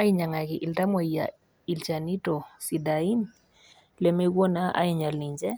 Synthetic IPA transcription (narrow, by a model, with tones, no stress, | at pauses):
a˦i˦ɲa˨ŋa˨ki˨ʔɪ˨lta˦ma˨ija̰˨ | i˨lt͡ʃa˨ni˦tɔ˨si˨dai˦n | lɛ˨mɛ˦kwɔ˦na˦ʔa̰˦i˨ɲa˨li˨ɲd͡ʒɛ˦